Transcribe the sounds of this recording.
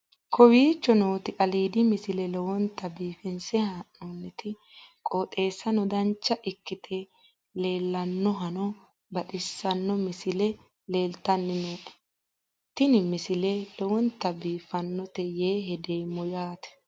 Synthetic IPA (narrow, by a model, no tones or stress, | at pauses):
kɔwiːt͡ʃːɔnoːt̪ɪʔɐliːd̪ɪmɪsɪlɛlɔwɔnt̪ːɐbiːfɪnsɛhaʔoːnːɛt̪ɪ | kʼoːt̪ʼe̞ːsːɐnɔd̪ɐnt͡ʃːɐʔɪkːɪt̪ʰe | le̞ːlːɐnːɔɦɐnɔ | bɐɗɪsːɐnːɔmɪsɪlɛ | le̞ːlt̪ɐnːɪnoːᶑɛ̥ | t̪ɪnɪmɪsɪlɛlɔwɔnt̪ːɐbiːfɐnːɔt̪ɛjeːɦɛd̪ejmɔjaːt̪ɛ̥